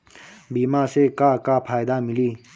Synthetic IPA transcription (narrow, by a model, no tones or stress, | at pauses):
biːmaːsekaːkaːpʰaːjd̪aːmiliː